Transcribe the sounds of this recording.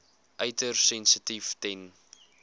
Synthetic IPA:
ʔœɥtərsɛnsətiftɛn

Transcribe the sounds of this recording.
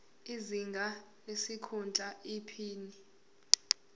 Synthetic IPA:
iziŋɡʱa | lesikʰunt͡ɬʼaipʰiːni

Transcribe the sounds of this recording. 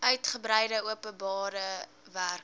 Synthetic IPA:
œɥtχəbɾɛjdəuəpənbɑːɾə | værk

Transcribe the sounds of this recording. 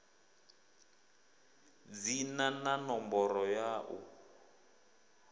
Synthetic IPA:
d͡zinananɔmbɔɾɔjaʔṵ

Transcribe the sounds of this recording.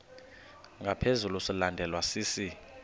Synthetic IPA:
ŋɡʱapʰezulusilandʱɛlwasiːsi

